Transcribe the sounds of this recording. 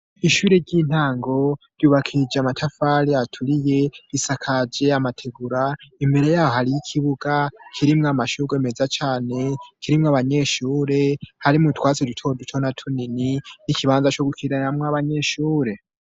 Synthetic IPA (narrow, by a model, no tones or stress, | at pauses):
iʃuːɾe̞ɾɟiːn̥haːŋɡo̞ɾ̥juːβakʰid͡ʒeamatʰafaɾiatʰuɾije̞isakʰad͡ʒe̞amatʰe̞ɡuɾaimbe̞ɾe̞jaːwohaɾijikʰiβuɡakʰiɾimŋamaʃuɡeme̞zat͡ʃaːne̞kiɾimŋaβaɲe̞ʃuːɾe̞haɾimutwaːt͡sidutʰo̞dut͡ʃʰo̞natʰunininikiβaːnzat͡ʃo̞ɡukʰiɾanamŋaβaɲe̞ʃuːɾe̞